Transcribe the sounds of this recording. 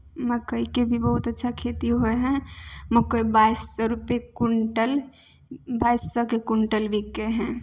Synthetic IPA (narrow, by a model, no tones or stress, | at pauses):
məkəikebʱibəɦut̪ətːʃʰakʰet̪iɦoeɦɛ̃məkəjbajsːɔɾupekuʈəl | bajsːɔkekuɳʈəlbʱikːeɦɛ̃